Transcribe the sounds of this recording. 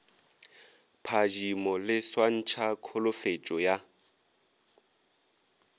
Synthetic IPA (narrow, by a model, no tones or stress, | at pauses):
pʰad͡ʒimɔlɪswan̩t͡ʃʰakʰɔlʊfet͡ʃʼɔja